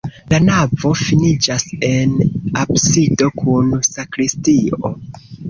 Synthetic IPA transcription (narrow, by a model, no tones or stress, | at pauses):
lanavo̞finid͡ʒase̞nabsido̞kʰunsakɾistio̞̰